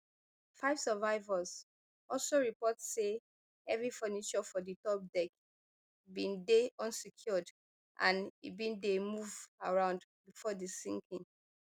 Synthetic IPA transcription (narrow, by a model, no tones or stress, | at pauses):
faɪv̥sɛvaɪvəz | ɔlsoɹipɔtse | ɛvɹifənit͡ʃɔfɔditɔp̚dɛk | bĩndeʔɔ̃nsikʰjɔd | ʔã̰nḭbĩndemuvaɹãʊ̃ndbifɔdəsĩŋkʰĩŋ